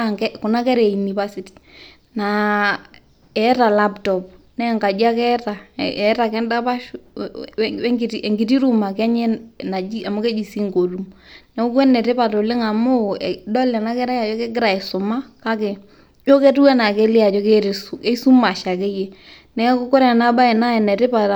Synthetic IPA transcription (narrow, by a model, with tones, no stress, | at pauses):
kɛ˦kʊ˨na˦kɛ˦ɾɛ˨i˨ni˨pa˦si˨ti̥˨ | na˨ | ɛ˨˦ta˨la˦ptɔ˨p̚ | nɛ˦˨ŋɡa˨d͡ʒa˦kɛ˦ta˨ɛ˨˦ta˨kɛ˦nda˦pa˦ | ŋɡɪ˦tie˨ŋɡɪ˨ti˦ɾu˦ma˨kɛ˦ɲɛ˦na˨i˦a˨mʊ˦kɛ˦d͡ʒi˨si˦ŋɡo˨lu˨mnɛ˨˦ʊ˦kwɛ˦nɛ˨ɾɪ˦pa˨to˨lɪ˦ŋa˨mʊ˦dɔ˦lɛ˨na˦kɛ˦ɾa˦ja˨t͡ʃɔ˦kɛ˦ɡɪ˦ɾa˨ɪ˨sʊ˨ma˦ka˦ke˨ | t͡ʃo˦kɛ˦tu˦wɛ˦na˨kɛ˦lɪ˦ja˨t͡ʃɔ˦ke˦ɾse˦su˦ma˨ʃa˨kɛ˦je˦ | nɛ˦kʊ˦kʊ˦ɾɛ˨na˦ba˦ɛ˨na˦ɛ˨nɛ˨tɪ˦pa˨